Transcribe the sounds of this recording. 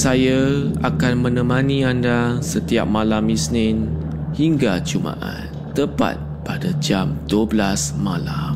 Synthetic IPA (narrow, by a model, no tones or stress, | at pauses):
sajaakanmə̃nə̃mãnĩandasət̪ia̰p̚malamisnɪnhiŋɡat͡ʃumã̰ʔa̰n | t̪əpa̰t̪̚padad͡ʒamduəblasmalam